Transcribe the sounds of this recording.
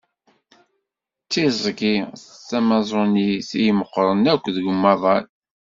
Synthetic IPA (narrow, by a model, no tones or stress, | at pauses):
t͡sːizˤɡiθːæmɑzˤoniθijməqːɾˤənækʷːðəɡʊmːɑðˤɑl